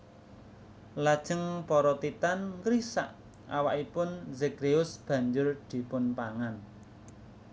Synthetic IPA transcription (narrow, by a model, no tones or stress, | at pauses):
lad̥ʒ̥ə̤ŋpɔɾɔt̪it̪ankɾisa̰ʔ | ʔa̰waʔipʊnzeɡɾeʊsb̥ä̤ɲd͡ʒʊrd̪̥i̤pʊnpaŋan